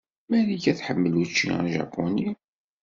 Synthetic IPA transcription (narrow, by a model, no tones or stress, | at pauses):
mæɾiçæθħəmːəlut͡ʃːḭʒɑ̰pʰːoni